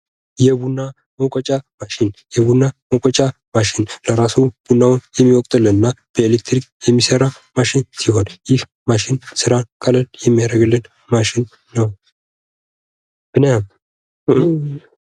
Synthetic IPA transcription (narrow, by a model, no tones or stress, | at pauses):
jɛbunːa | mokʼɔt͡ʃʼamaʃɪnjɛβunːamokʼɔt͡ʃʼa | maʃɪnləɾasub̥unːawʊnjɛmːiwɔkʼt̪ʼɨlːɨnɨnːab̥əelekt̪ʰɾikʼjɛmːisəɾa | maʃɪnsiɦo̞njɪh | maʃɪnsɨɾakʼələljɛmːijaɾəɡlːɨn | maʃɪnː | əw | b̥ɨnəjam